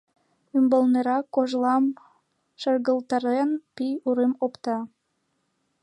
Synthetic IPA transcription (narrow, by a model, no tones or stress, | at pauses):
ymbolneɾɑkːoʒlˠɑm | ʃərɣəlˠt̪ɑrenpijuɾemopt̪ɑ